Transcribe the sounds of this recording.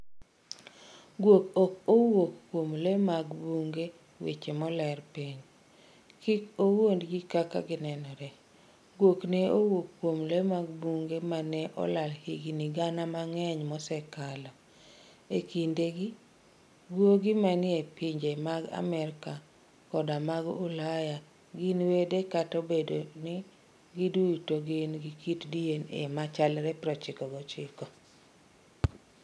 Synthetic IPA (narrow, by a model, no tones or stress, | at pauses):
ɡwokokowokkːwomlemaɡbuŋɡe | wḛt͡ʃemɔlɛrpiɲ | kikowondɡikaka̰ɡɪnɛnɔɾɛ | ɡwoknɛowokkːwomlemaɡbuŋɡemanɛʔɔ̰lalhiɡiniɡanamaŋɛɲmɔsɛkalɔ | ekindeɡi | ɡwoɡɪmanɪepiɲd͡ʒemaɡa̰mɛɾka | kɔdamaɡʊlaja | ɡinwedekatobedonɪ | ɡiduitoɡenɡikitdienḛmat͡ʃalɾɛpɾɔt͡ʃɪkɔɡɔt͡ʃɪkɔ